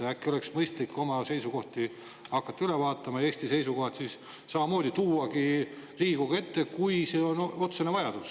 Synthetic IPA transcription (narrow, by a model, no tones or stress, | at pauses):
ækːio̞le̞ksmɤjst̪likːo̞mɑse̞jsuko̞ht̪i | ɑkːˑɑt̪ːɑylevɑːt̪ːˑɑmɑje̞ːst̪ise̞jsuko̞ɦɑt̪siːs | sɑmɑmo̞ːd̪ʲit̪uːɑkiriːɡuɡ̥ɑe̞t̪ːe̞kujse̞ːo̞no̞t̪senevɑjɑd̪̥us